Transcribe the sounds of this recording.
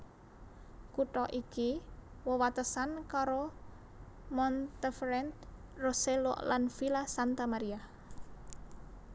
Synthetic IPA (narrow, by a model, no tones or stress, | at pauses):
kuʈɔʔiki | wəwat̪əsankaɾo | mɔnt̪efɾɛnt̪ | roselo̰ʔlanfilasant̪amaɾia